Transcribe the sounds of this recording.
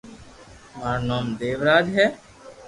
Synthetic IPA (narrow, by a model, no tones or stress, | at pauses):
maːɾnaːmd̪eːʋɾaːd͡ʒɦɛː